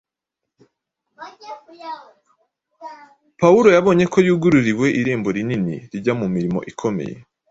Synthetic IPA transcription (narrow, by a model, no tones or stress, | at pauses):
pauɾo̞jaβo̞ːɲe̞kojuːɡuɾuɾiwe̞ʔiɾe̞ːmbo̞ɾininḭɾiɟamumiɾimo̞̰ʔikʰome̞̰jḛ